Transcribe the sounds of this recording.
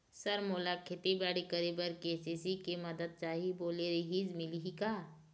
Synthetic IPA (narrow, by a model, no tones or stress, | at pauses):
səɾmoːlakʰeːt̪ibɛːɽikəɾibəɾkeːsisikemɐd̪əd̪̚t͡ʃaːɦiboːleɾiɦid͡ʒmɪliɦikaː